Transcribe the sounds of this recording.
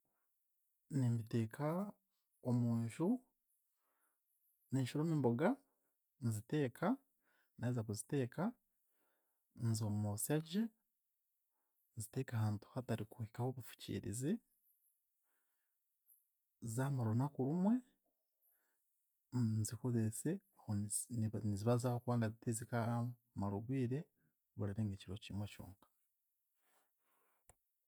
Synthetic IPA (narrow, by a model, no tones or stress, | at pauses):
nimite̞ːkʰa | omuːɲʃu | neːɲʃuɾoːmimboɡa | nizite̞ːkʰa | naezakuzite̞ːka | nzoːmumosiaɟe | nzite̞ːkahaːntu̥hataɾikuekahoβufu̥cḭːɾḭzi | zamaɾunakuɾumwe̞ | nziko̞zeseahoniziβazahokuβaːndazitizika | maɾuɡwiːɾe̞ | βuɾaɾeːŋɡeciɾo̞cimwecṵːŋkḁ